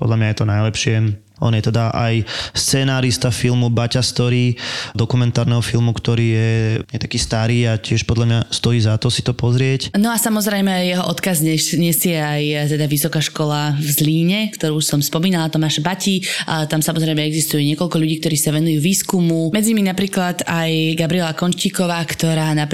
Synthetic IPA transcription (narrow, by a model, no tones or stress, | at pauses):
pɔ̰d̪ʎamɲajɛt̪ɔnajlɛpʃɪɛ | ʔɔnjɛt̪ɛd̪aʔa̰jst͡sɛnaːɾist̪afilˠmubacast̪ɔɾiːd̪ɔkumɛnt̪aːɾnɛɦɔfilˠmukt̪ɔɾiːjɛɲɛt̪ḁkiːst̪aɾiːacɪɛʃpɔd̪lamɲast̪ɔiːzat̪ɔsit̪ɔpɔzɾɪɛcnɔasamɔzɾɛjmɛajjɛɦɔʔɔt̪kazɲɛɲɛsɪɛajt̪ɛd̪aʋisɔkaʃkɔlavzliːɲɛkt̪ɔɾuːsɔmspɔmiːnalat̪ɔmaːʃbacit̪amsamɔzɾɛjmɛɛɡzist̪ujɛɲɪɛkɔʎkɔʎuɟiːk̚t̪ɔɾiːsaʋɛnujuːʋiːskumumɛd͡ziɲiminapɾiːklad̪ajɡabɾiɪɛlakɔnʃciːkɔʋaːkt̪ɔɾaːna